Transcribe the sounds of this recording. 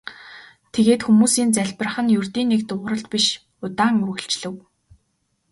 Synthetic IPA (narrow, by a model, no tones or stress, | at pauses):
t̪ʰeɣeːt̪xumuːsiːnt͡sæɮʲpə̆r̆χə̆njurt̪iːnːekt̪ʊːʁɾə̆ɬt̪piʃ | ʊt̪aːŋuɾɣɘ̆ɬt͡ɕɮɘ̆w